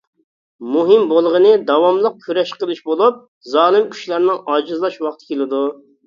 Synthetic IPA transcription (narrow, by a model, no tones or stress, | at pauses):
muɦɨmbolˠʁənɨd̪ɑwɑmlˠəq̚kʲʰyɾɛʃqəlˠɨʃbolˠup̚ | zɑːlˠɨmkʲʰy̥ʃlˠɑɾnɨŋɑːd͡ʒɨzlˠɑʃwɑχt̪ʰɨ̥kʲʰelɪd̪u